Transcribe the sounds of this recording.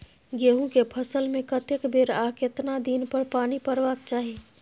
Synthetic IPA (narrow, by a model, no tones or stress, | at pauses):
ɡeːɦũkepʰəsəlmẽkət̪ekbeːɾaːkɪt̪nad̪iːnpəɾpaːnipəɾʋaːkt͡ʃaːɦieː